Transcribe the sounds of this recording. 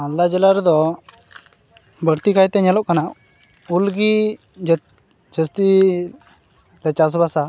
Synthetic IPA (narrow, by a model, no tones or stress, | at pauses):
anlad͡ʒɛlaɾd̪ɔ | bəɾt̪ikajt̪ɛɲɛlɔʔkana | ulɡi | d͡ʒəst̪i | lɛt͡ʃas̬basa